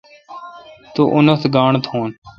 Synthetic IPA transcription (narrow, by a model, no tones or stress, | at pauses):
t̪oːʔʊnət̪ɡaːɳət̪ɦoːn